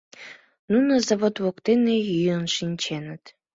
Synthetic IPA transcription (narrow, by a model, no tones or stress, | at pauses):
nunəzaβot̪βokt̪enejyənʃinʲt͡ɕenət̪